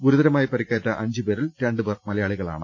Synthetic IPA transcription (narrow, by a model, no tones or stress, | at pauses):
ɡuɾuðɐɾɐmaːjipɐɾikʲːaːʈːɐʔɐɲd͡ʑɨbeːɾiltɾeɳɖɨbeːrmɐlɐjaːɭiɣɐɭa̰ːɳɨ